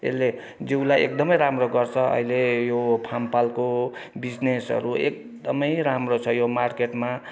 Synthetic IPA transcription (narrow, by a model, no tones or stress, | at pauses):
ḛlːe | d͡ziwlajʔḛk̚d̪ʌmʌjɾamroɡʌrt͡sʰʌʌ̰ɦilejopʰampalkobid͡znesʌ̰ɾuek̚ | d̪ʌmʌjɾamrot͡sʰʌjomarkeʈma